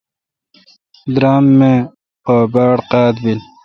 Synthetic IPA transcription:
d̪ɾaːmːe | obaːɽqɑːd̪bil

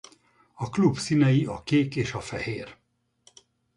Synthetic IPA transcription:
ɒklubsinɛjiɒkeːkeːʃɒfɛ̰heːr

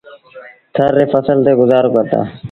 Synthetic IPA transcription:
t̪ʰəɾːeːfəsəlt̪eːɡʊzaːɾoːkəɾt̪a̰ː

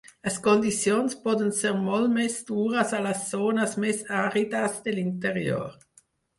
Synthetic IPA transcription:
laskɔnd̪it͡sjonspɔd̪ənsɛʁmɔlmɛsd̥̪uːʁəsalasːoːnasmɛsaʁid̪asd̪elint̪əʁjo̰ːʁ

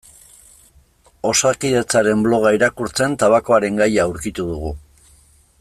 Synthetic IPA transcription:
o̞sakiðe̞t͡saɾe̞mblo̞ɣ̞aiɾakuɾt͡se̞nt̪aβako̞aɾe̞ŋɡajaːuɾkit̪uð̞uɣ̞u

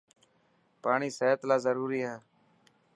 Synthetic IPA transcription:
paːɳiːseːət̪laːzəɾuːɾiːɦaː

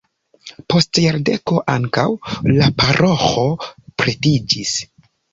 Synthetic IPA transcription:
po̞stjaɾde̞ko̞ʔa̰ŋkawlapaɾʔo̞xo̞pɾetid͡ʒis

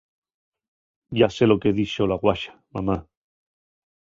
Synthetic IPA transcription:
ɟ͡ʝase̞lo̞keðiʃolaɣwaʃḁmama

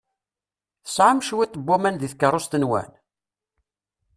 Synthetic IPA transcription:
θə̥sʕamʃwit̪ˤːəbːæmænðiθkəɾˤost̪ənwæ̰n

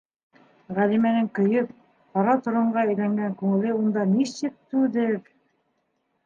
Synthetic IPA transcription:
ʁælimænɘŋkɵ̆jɤp̚ | qɑɾɑt̪ŏɾɤ̆ɴɢɑɘ̆jlæŋɡæŋkʉŋɘ̆lɘund̪ɑnisɘk̚t̪ːʉðɘɾ

